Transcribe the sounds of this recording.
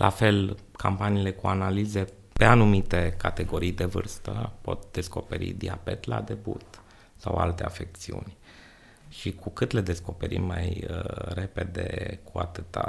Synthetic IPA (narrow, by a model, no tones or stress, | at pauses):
lʔafe̞l | kʰampaniːle̞kuanalize̞ | pe̞anumit̪e̞kat̪e̞ɡo̞ɾijd̪e̞vɨrst̪əpo̞̰t̪̚d̪̥e̞sko̞pe̞ɾḭd̪iabe̞t̪la̰d̪e̞bṵt̪ | sawalt̪e̞afe̞k̚t̪siṵnʲ | ʃikʰukɨt̪le̞d̪e̞sko̞pe̞ɾḭmːajəre̞pe̞d̪e̞̰kʰuat̪ɨt̪a